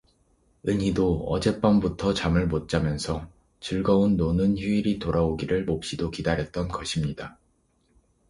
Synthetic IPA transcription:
ɯɲɦidoʌ̰d͡ʑe̞p͈ʌmbutʰʌt͡ɕamɯɭmot̚t͡ɕ͈amjʌnsʰʌ | t͡ɕɯɭɡʌunːonɯnçuiɾitoɾaoɡiɾɯɭmop̚ɕ͈idokidaɾɦjʌt̚t͈ʌnɡʌɕʰimɲida

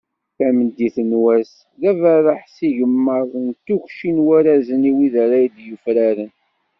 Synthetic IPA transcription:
θæmənd̪iθənwæs | ðævæɾˤəħsiʝəmːəɾˤnt̪ːukʃinwæɾæzəniwiðaɾæjd̪jufɾaɾən

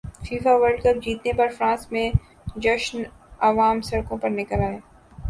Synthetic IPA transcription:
fiːfaʋəɾɖkɐp̚d͡ʒiːt̪nepɐɾfɾãːsmẽ | d͡ʒɐʃnɐʋaːmsɐɽkõpɐɾnɪkəlaːjaː

